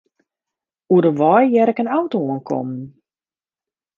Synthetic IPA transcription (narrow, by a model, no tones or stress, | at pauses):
uədəʋɔjjɛɾɛkənawtoənkʰɔ̰mən